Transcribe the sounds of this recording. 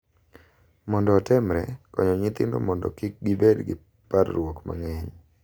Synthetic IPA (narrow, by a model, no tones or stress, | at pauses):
mɔndɔːtɪmɾɛ̰kɔɲɔɲɪt̪ɪ̰ndɔ̰mɔndɔ̰kɪk̚ɡɪbedɡɪ | paɾɾwokma̰ŋɛɲ